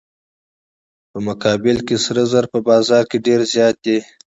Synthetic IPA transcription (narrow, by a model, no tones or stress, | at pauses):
pəmʊkɑbɪlkesɾəzaɾpəbɑzɑɾkeɖeɾzjɑt̪̚d̪e